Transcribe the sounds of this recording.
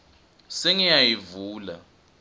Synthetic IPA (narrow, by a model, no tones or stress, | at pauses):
seŋijajivuːla̰